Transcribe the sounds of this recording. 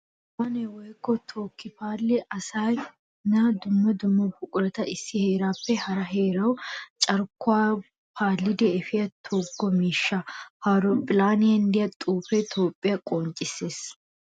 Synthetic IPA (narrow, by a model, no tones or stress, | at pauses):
wɐnɛwɔjkːɔt̪ʰoːkːɪpaːlːɪʔɐsaːj | nad̪ʊmːɐd̪ʊmːɐbʊkʼʊɾɛt̪ɐɪsːɪhe̞ːɾaːpːɛhɐɾɐɦe̞ːɾɐwt͡ʃʼɐɾkːʊaː | pʰaːlːɪd̪ɛɛfɪjɐt̪ʰoɡːɔmiːʃːɐhaɾɔpʼɪlaːnɪjɐnd̪ɪjɐt̪ʼuːfɛt̪ʰo̞ːpʼːɪjɐkʼoːnt͡ʃʼɪsːe̞ːs